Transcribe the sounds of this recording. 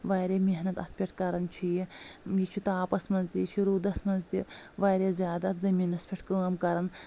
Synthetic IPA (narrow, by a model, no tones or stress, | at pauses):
ʋaːɾeːmeɦnɐt̪ɐspʰʲiʈʰkɐɾɐnt͡ʃʰujijit͡ʃʰut̪aːpɐsmɐnzt̪it͡ʃʰuɾuːd̪ɐsmɐnzt̪iʋaːɾeːzjaːd̪ɐt̪zɐmiːnɐspʰʲiʈʰkəːmkɐɾɐn